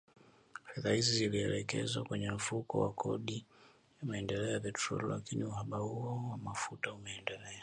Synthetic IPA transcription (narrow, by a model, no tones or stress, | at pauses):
fɛðahiziziliɛlɛkɛzwakwɛɲɛm̩fukɔ̰wa̰kʰɔɗi | jamaɛndɛlɛɔapɛtʰɾɔ̰lla̰kiniuɦaɓahuɔwamafutaumɛːndɛlɛa